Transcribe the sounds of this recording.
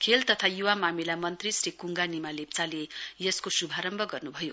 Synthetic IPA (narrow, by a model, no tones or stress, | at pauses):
kʰelt̪ʌt̪ʰajuwamamilamʌnt̪risrikuŋɡanimalep̚t͡salejʌskosubʱaɾʌmbʱʌɡʌrnubʱʌjo